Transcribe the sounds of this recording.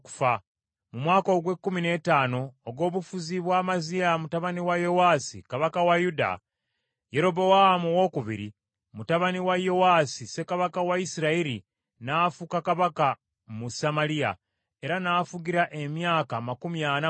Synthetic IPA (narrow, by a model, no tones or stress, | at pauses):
ku̥fa | mumwaːko̞ːɡwe̞kːumine̞ːtaːno̞ːɡo̞ːβufuziβwaːmazijamutaβaniwajo̞waːsḭkaβakawajuda̰ | je̞ɾo̞bo̞wahamuwo̞kuβḭɾḭ | mutaβaniwajo̞waːsise̞kaβakawaisiɾaeɾi | naːfukakaβaka | musamaɾija̰ | e̞ɾanaːfuɡiɾaʔe̞mjaːkamakumjana